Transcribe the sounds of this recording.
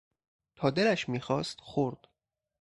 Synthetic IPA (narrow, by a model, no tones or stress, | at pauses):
t̪ʰɒːd̪elæʃmiːxɒːst̪xoɾd̪̥